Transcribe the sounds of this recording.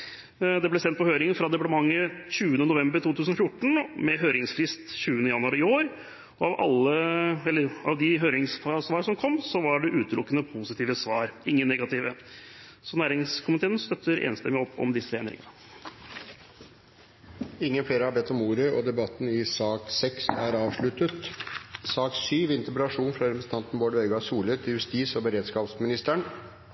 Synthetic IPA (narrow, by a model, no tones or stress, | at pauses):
d̪ɛblɛsɛnt̪pɔhøːɾɪŋənfɾɑd̪ɛpɑəmɑŋːəɕʉːənənʊʋɛmbəɾt̪uːt̪ʰʉːsənɔfjʊʈːɳ̩mɛɦøːɾɪŋsfɾɪst̪ɕʉːənəjɑnʉɑɾəɪoːɾ | ɔɑʋɑ̰lːəɛlːəɾɑʋd̪ɪɦøːɾɪŋsfsʋɑːɾsɔmkʰɔmːsɔʋɑɖɛʔʉːt̪əlʊkːənəpʰusɪt̪ʰiːʋəsʋɑːɾɪŋːənːɛɡɑt̪ɪːʋə | sɔnæːɾɪŋskʰʊmɪt̪ʰeːnst̪œt̪ʰːəɾḛːnst̪ɛmːɪɔpʰːɔ̰md̪ɪsːəeːnɾɪ̰ŋəə | ɪŋːənfleːɾəhɑɾbɛt̪ʰːɔmuːɾəɔd̪ɛbɑt̪ːn̩ɪsɑːksɛksæːɾɑːʋʂɭʉt̪ət̪sɑːksyːʋɪnt̪ɛpɾɑʂuːnfɾɑɾɛpʰɾəsn̩t̪ɑnt̪n̩boːɖœʏɡɑsuːlət̪ʰɪljʉst̪iːsɔbəɾeːd̪skɑːpsmɪnɪst̪əɳ